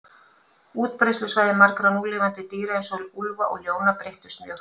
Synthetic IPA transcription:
uːt̪̚pɾajst̪lʏsvaːjðɪmaɾkɾanuːlɪːvant̪ɪt̪iːɾaɪnsœlulva̰ʔɔ̰ɣljoːwnapɾejht̪ʏ̥st̪mjœh

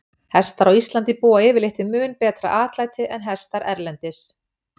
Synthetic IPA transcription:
hɛst̪aɾɔwist̪lant̪ipuːaɪvɪleht̪ɪmʏːnpɛːt̪ɾa̰ʔaːt̪laːjt̪ɪʔɛnɦɛst̪aɾʔɛɾlɛnt̪ɪs

